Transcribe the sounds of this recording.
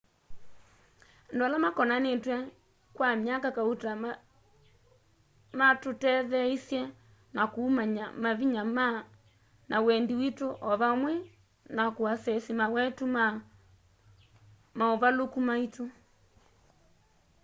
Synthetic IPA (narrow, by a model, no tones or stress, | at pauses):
ndoalamakɔnanetwɛ | kwamiakakauta | matotɛðɛisjɛ | nakuːmaɲamaβiɲama | nʔawɛndiwitoʔɔβamwɛ | nakwasɛsimawɛtuma | maɔβalokumaito